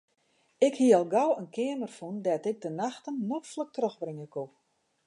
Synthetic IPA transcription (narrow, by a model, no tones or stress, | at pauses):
ɪkhiəɔlˠɡawənkʰɪəmərfundɛtɪk̚dənaxtənːɔxflək̚trøxbrɪŋəkʰu